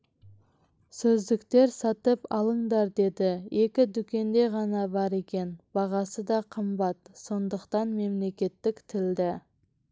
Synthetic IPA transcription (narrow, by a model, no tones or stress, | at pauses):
sɵzd̪ɪkt̪e̞ɾsɑt̪əpɑlˠəɴd̪ɑɾd̪e̞d̪ɪe̞kʲɪd̪ʏkʲe̞nd̪e̞ʁɑnɑbɑɾe̞kʲe̞nb̥ɑʁɑsəd̪ɑqʰəmbɑt̪so̞nd̪əqt̪ɑnme̞mle̞kʲe̞t̪ːɪkt̪ʰɪld̪ɪ